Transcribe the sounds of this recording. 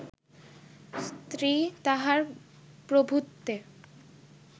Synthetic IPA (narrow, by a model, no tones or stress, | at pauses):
st̪ɾit̪aɦaɾ | pɾobʱut̪ːe